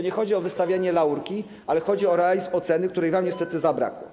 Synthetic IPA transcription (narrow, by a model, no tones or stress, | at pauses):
ɔɲɛxɔd͡ʑiɔvɘst̪avʲjaɲɛlauɾkʲi | alɛxɔd͡ʑiɔɾɛalʲizmɔt̪sɛnɘk̚t̪uɾɛjvamɲɛst̪ɛt̪ɘzabɾa̰kwɔ̰